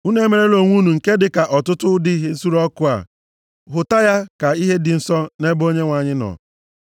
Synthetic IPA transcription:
u˦ne˦me˨ɾe˦lo˨ŋʷu˦nu˨ŋ̩˨ke˦dɪ˨ka˨ʔɔ˨tʊ˦tʊ˦dɪ˦ɦe˦n̩˦su˦ɾɔ˦kʊ˦a̰˨ | ɦʊ˨ta˦ja˦ka˨i˦ɦe˦dɪ˨n̩˨sɔ˦ne˦bo˦ɲe˦ŋʷa˨ɲɪ˦nɔ̰˨

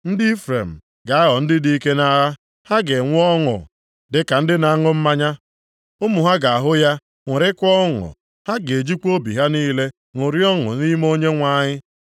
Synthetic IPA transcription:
n̩˦di˦fɾḛ˨m̩˨ | ɡa˨a˦ɦɔ˨n̩˦dɪ˦di˦i˦ke˦na˦ɦa˦ | ha˦ɡe˨ŋʷ˦ɔ˦ŋʊ̰˨ | dɪ˨ka˨n̩˦dɪ˦na˨˦ŋʊ˦m̩˦ma˦ɲa˦ | ʊ˦mʊ˨ɦa˦ɡa˨a˨ɦʊ˦ja˦ | ŋʷʊ˨ɾɪ˦kʷɔ˦ŋʊ̰˨ | ha˦ɡe˨d͡ʒi˦kʷo˦bḭ˨ɦa˦niː˦le˦ | ŋʊ˨ɾi˦ɔ˦ŋʊ̰˨ni˦mo˦ɲe˦ŋʷa˦˨ɲɪ˦

